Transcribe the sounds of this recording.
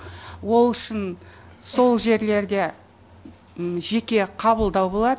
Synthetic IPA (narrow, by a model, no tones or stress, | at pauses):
wo̞lˠʏʃɪn | so̞lˠʒe̞ɾle̞ɾd̪e̞ | ʒe̞kʲe̞qʰɑβəlˠd̪ɑwbo̞lˠɑd̪